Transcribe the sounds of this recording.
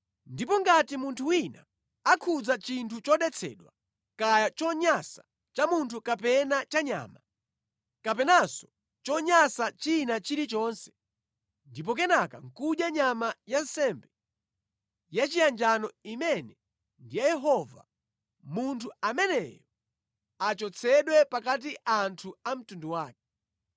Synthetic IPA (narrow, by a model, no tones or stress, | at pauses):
ndipɔŋɡatimuntʰuwina | akʰud͡zat͡ʃintʰut͡ʃɔɗɛt͡sʰɛ̰ɗwa | kajat͡ʃɔɲasḁ | t͡ʃamuntʰukapɛnat͡ʃaɲa̰ːma | kapɛnasɔ̥ | t͡ʃɔɲasat͡ʃinat͡ʃiɾit͡ʃɔːnsɛ̥ | ndip̬ɔk̬ɛnakaŋ̩kuʄjaɲamajan̩sɛmbɛ | jat͡ʃijand͡ʒanɔimɛnɛ | ndijajɛɦɔva̰ | muntʰuamɛnɛ̰jɔ | at͡ʃɔt͡sʰɛɗwɛpakat̬iʔantʰuam̩tunduwaːk̚ɛ̥